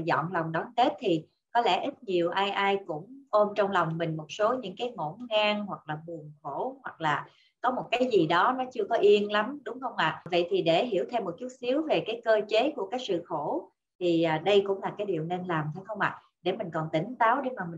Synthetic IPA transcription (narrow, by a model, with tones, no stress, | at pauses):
zɔ̰˧˨nlɔ˨˩wŋ͡mɗɔː˨˦nke˦˥t̚t̪ʰi˨˩ | kɔ˨˦lɛ̰˧˩ʔi˦˥t̚ɲi˨˩əwʔaː˧jʔaː˧jkʊ̰˧˥ŋ͡mʔo˧mt͡ɕɔ˧wŋ͡mlɔ˨˩wŋ͡mmï˨˩ŋ̟mo˨˩t̚so˨˦ɲɨ̰˧˥ŋkaː˨˦jŋo̰˧˩nŋaː˧ŋɦwa˨˩k̚laː˨˩ɓɨ˨˩əŋxo˧˩hwa˨˩k̚laː˨˩ | kɔ˨˦mo˨˩t̚kaː˨˦jzi˨˩ɗɔ˨˦nɔ˨˦t͡ɕɨ˧əkɔ˨˦ʔi˧ənla˨˦mɗʊ˨˦ŋ͡mxə˧wŋ͡mʔa̰ː˨və̰˧˨jt̪ʰi˨˩ɗe˧˩ɦi˧˩əwt̪ʰe˧wmːo˨˩t̚t͡ɕu˦˥t̚si˨˦əwve˨˩kaː˨˦jkəː˧t͡ɕe˨˦ku˧˩əkaː˦˥k̚sɨ̰˧˨xo˧˩ | t̪ʰi˨˩ʔːɗə˧jkʊ̰˧˥ŋ͡mlaː˨˩kaː˨˦jɗi˨˩əwne˧nlaː˨˩mt̪ʰa˨˦jxə˧wŋ͡mʔa̰ː˧˨ | ɗe˧˩mï˨˩ŋ̟kɔ˨˩nt̪ï˨˩˦ŋ̟t̪aː˨˦wɗe˧˩˦maː˨˩mi˨˩